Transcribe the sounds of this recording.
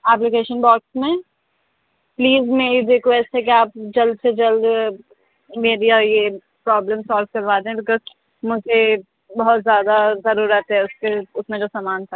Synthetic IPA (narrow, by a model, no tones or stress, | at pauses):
ɛːplɪkeːʃənbɔːksmẽ | pliːzmeːɾiɾekwɛsʈɦɛk̬iaːp̚d͡ʒɐld̪sed͡ʒɐld̪ | meːɾiaje | pɾɔːbləmsɔːlʋkɐɾʋaːd̪eɦẽbɪkə | mʊd͡ʒʱe | bɐɦɔt̪zjaːd̪azɐɾuːɾət̪ɦɛʊskeʊsmẽd͡ʒoːsaːmaːnt̪ʰa